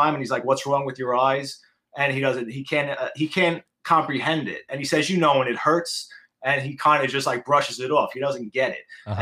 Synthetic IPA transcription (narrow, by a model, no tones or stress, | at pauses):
ãɪ̃mɨn̩hizlaɪkwʌtsɹɔ̃ŋwɨðjə˞aɪz | ɨ̃niɾʌzɨ̃nt̚hikʰæ̃nʌhikʰæ̃n | kʰɑ̃mpɹiɦɛ̃ndɪ̰t̚ɨ̃nisɛzjɨnoʊwə̃nɨt̚hɜ˞ts | ɨ̃nikʰãɪ̃ndɨd͡ʒʌstˡlaɪk̚b̥ɹʌʃɨzɨɾɔfhiɾʌzɨ̃n̩ɡ̥ɛɾɪ̰t̚ɨ̃